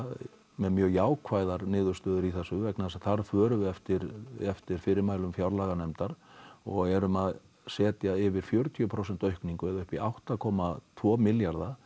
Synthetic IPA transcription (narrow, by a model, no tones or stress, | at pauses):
mɛðmjœːɣjaːwkʰvaːjðaɾnɪːðʏɾ̥st̪œːðʏɾiθɛsːʏvɛknasaθaɾ̥fœːɾʏɛft̪ɪɾɛft̪ɪɾ̥fɪɾɪɾmaːjlʏmfjawɾlaːɣanɛmt̪aɾ̥ɔɣɛɾʏmað | sɛːt̪jaɪvɪɾ̥fjœːɾʏt̪ʰiʏpʰɾows̬ɛnt̪œɥhkniŋkʏɛðʏhpiawht̪akʰɔːmat̪ʰvɔːmɪljaɾða